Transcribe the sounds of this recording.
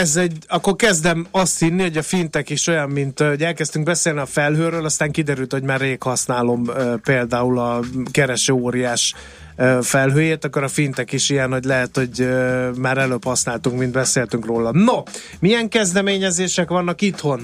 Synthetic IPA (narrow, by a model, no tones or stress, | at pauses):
ɛzɛɟɒkːorkɛzd̪ɛmɒst̪hinːiho̞ɟɒfint̪ɛkiʃo̞jɒmːint̪oɟɛlkɛst̪yŋɡ̚bɛseːlniɒfɛlɦøːɾøːlɒst̪aːŋkid̪ɛɾylt̪ho̞ɟmaːrːeːkhɒsnaːlo̞møpeːld̪aːulɒkɛɾɛʃøːoːɾijaːʃ | fɛlɦøːjeːt̪ɒkːoɾɒfint̪ɛkiʃijɛnhoɟlɛɦɛt̪ho̞ɟømaːɾɛløːphɒsnaːlt̪uŋkmind̪bɛseːlt̪yŋkroːlɒmno | mijɛŋkɛzd̪ɛmeːɲɛzeːʃɛkʋɒnːɒkit̪ho̞n